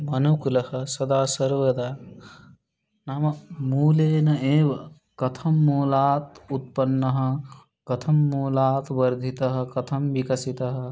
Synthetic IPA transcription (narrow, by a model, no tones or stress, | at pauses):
mɐnukulɐhɐ̆sɐd̪aːsɐɾʋɐd̪aː | naːmɐmuːleːnɐeːʋɐ | kɐt̪ʰɐmːuːlaːt̪ut̪̚pɐnːɐɦɐ̆ | kɐt̪ʰɐmːuːlaːt̪ʋɐɾd̪ʱit̪ɐɦɐ̆kɐt̪ʰɐmʋikɐsit̪ɐɦɐ̆